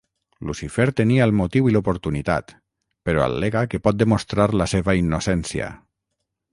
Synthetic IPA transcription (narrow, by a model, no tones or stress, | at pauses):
lusifɛɾt̪eniaəlˠmot̪iwilopoɾt̪unit̪a̰t̪ | peɾɔa̰lːeɣakepɔt̪̚d̪emost̪ɾaɾləseβainːosɛnsia̰